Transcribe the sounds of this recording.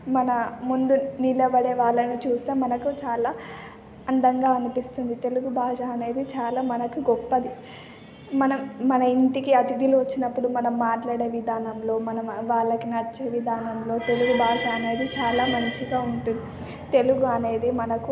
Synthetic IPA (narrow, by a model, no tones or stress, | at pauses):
mɐnɐmund̪unilɐbɐɽeːʋaːɭːɐnit͡ʃuːst̪e̞ːmɐnɐkut͡ʃaːlaː | ɐnd̪ɐŋɡaːɐnipist̪und̪it̪e̞luɡubʱaːʂaɐne̞ːd̪it͡ʃaːlaːmɐnɐkuɡɔpːɐd̪i | mɐnɐmːɐnɐint̪ikiɐt̪id̪ilʋɐt͡ʃːinɐpːuɽumɐnɐmːaːʈlaːɽeːʋid̪ʱaːnɐmlo̞ːmɐnɐmʋaːɭːɐkinɐt͡ʃːeːʋid̪ʱaːnɐmlo̞ːt̪e̞luɡubʱaːʂɐːne̞ːd̪it͡ʃaːlaːmɐɲt͡ʃiɡaːuɳʈund̪i | t̪e̞luɡuɐne̞ːd̪imɐnɐku